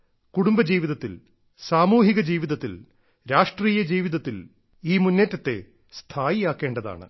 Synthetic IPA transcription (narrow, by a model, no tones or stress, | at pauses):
kuɽumbɐd͡ʑiːʋiðɐt̪ːḭl | saːmuːɦiɣɐd͡ʑiːʋiðɐt̪ːḭl | ɾaːʂʈriːjɐd͡ʑiːʋiðɐt̪ːil | iːmunːetːɐt̪ːe̞̰ | st̪ʰaːjijaːkːe̞ːɳɖɐða̰ːɳɨ̰